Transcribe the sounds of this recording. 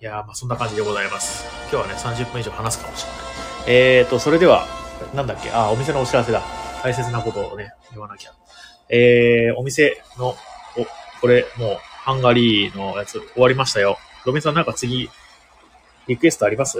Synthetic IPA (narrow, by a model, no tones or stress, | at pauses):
jamaːsõ̞nːakãɲ̟d͡ʑid̪e̞ɡo̞zaimasɨ̥ | kʲo̞ːβane̞sãɲ̟d͡ʑɨpːɯ̟̃iʑo̞ːhanasɨ̥kamoɕi̥net̪ːo̞so̞ɾe̞d̪e̞βa̰nãnd̪akʲːe̞̰ʔao̞mʲis̬e̞no̞ːɕiɾas̬e̞d̪a̰kais̬e̞t͡sɨnako̞t̪o̞ne̞ | iβanakʲa | eːo̞mʲise̞no̞oko̞ɾe̞moːhãŋɡaɾʲiːno̞jat͡sɨoβaɾʲimaɕi̥t̪ajo̞ | d̪o̞mʲĩs̬ãnːãŋkat͡sɨɡʲi | ɾʲikɯ̟e̞sɨ̥t̪oaɾʲimasɨ